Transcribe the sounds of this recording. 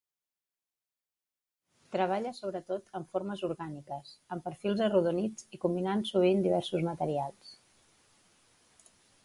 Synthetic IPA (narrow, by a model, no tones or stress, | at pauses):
t̪ɾəβaʎəsoβɾət̪ot̪əɱfoɾməzuɾɣanikəsəmpəɾfilˠzəruðunid͡zikumbinansuβ̞ind̪iβ̞ɛɾsuzmət̪əɾialˠs